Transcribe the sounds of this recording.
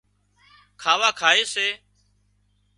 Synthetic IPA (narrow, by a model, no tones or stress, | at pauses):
kʰaːʋaːkʰaːeːseː